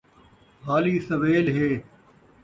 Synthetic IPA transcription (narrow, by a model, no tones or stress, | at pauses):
ɦaːliːsɐʋeːlɦeː